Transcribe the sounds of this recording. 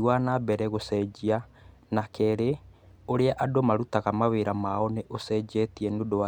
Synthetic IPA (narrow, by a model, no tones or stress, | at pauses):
wanabɛɾɛɣosɛd͡ʒia | nakɛːɾeoɾeaʔadomaɾutaɣamaweɾamaɔneʔosɛd͡ʒɛtiɛnodowa